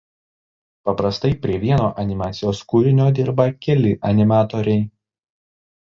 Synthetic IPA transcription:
pɐpɾɐst̪ɐɪpʲɾʲiɛʋʲiɛnoːʔɐnʲɪmɑːt̪sʲɪjoːskuːɾʲɪnʲoːd̪ʲɪɾbɐkʲɛlʲɪʔɐnʲɪmɑːt̪oːɾʲɛɪ

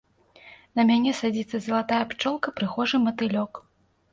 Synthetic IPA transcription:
nɐmʲanʲɛsad͡zʲit̪sːɐzɐlˠat̪ajɐpt͡ʂɔlˠkɐpɾɨxɔʐɨmɐt̪ɨlʲɔk

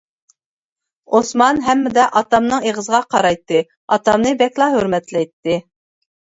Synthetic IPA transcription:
osmɑnɦɛmːɪd̪ɛʔɑt̪ɑmnɨŋeʁəzəʁɑqʰɑɾɑjt̪ːɨ | ɑt̪ɑmnɨbɛkʲlˠɑɦøɾmɛt̪lɛjt̪ːɨ

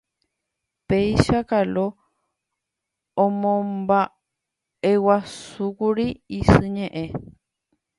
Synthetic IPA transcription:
pejʃakalo | õmõmba | ewasukuɾiisɨɲẽʔẽ̞

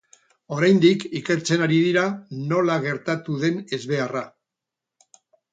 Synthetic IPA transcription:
o̞ɾajnd̪ikike̞ɾt͡se̞naɾiðiɾano̞laɣe̞ɾt̪at̪uðe̞ne̞zβe̞ara

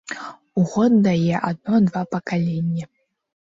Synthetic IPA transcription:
uɣɔd̪̚ːajɛʔad̪̚nɔd̪vapɐkalʲenʲːɐ

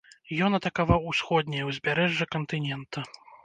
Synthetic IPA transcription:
jɔnɐt̪ɐkavawusxɔd̪ʲnʲɐjɐwzʲbʲaɾɛʐːɐkɐnt̪ɨnʲɛnt̪ɐ

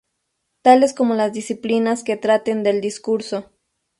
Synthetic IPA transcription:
t̪ale̞sko̞mo̞lazd̪isiplinaske̞t̪ɾat̪e̞nd̪e̞ld̪iskuɾso̞

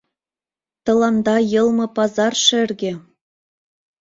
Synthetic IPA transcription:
t̪ɤ̆lˠɑnd̪ɑjɤ̆lˠmɤ̆pɑzɑrʃɘrɡĕ

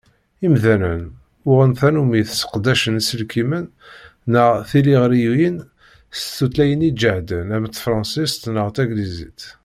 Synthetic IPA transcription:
imðænən | ʊʁənθænumiθsə̥qd̪æʃənsəlkimənː | əʁθiliʁɾijujin | st̪ːut̪læjənid͡ʒəʕd̪ənæmət̪ːfɾˤɑ̃nsist̪nəʁt̪æɡlizḭt̪

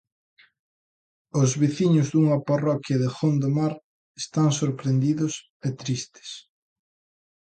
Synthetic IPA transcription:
ʊzβiθiɲʊzðuŋɐparɔkjɐðɪxond̪omaɾ | est̪aŋsoɾpɾend̪iðʊs | et̪ɾist̪e̥s

